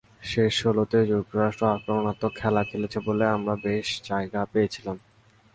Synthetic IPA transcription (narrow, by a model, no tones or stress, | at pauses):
ʃeʃːolot̪ed͡ʑuk̚t̪oɾaʃʈɾoakɾomonat̪ːokʰɛlakʰelet͡ɕʰeboleamɾabeʃd͡ʑaeɡapejet͡ɕʰilam